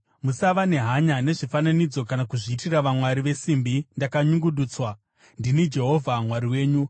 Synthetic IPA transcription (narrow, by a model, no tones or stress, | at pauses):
musaʋane̞ɦaɲane̞ʐifananid͡zo̞kanakuʐiːtiraʋamwaɾiʋe̞simbindakaɲuŋɡuɗuːt͡swa | ndinid͡ʒe̞ɦo̞vʱamwaɾiwe̞ːɲu